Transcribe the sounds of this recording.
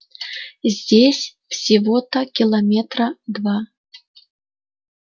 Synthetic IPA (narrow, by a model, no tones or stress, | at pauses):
zʲd͡zʲesʲfsʲivɔt̪ɐkʲilˠɐmʲɛt̪ɾɐd̪va